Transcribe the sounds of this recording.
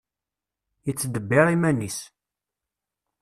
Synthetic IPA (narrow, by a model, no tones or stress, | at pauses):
jət͡sːd̪əbːɪɾˤimænis